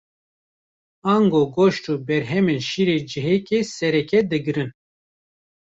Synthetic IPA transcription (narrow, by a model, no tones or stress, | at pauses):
ɑːŋɡoɡoʃtuːbɛɾɦɛmenʃiːɾed͡ʒɨɦɛkesɛɾɛkɛd̪ɨɡɨɾɨn